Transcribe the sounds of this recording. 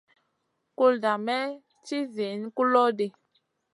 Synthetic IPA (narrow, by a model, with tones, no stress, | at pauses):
ku˦lda˨mɛ˦ | t͡ʃi˦zi˨˦n˦ku˦lɔ˦de˨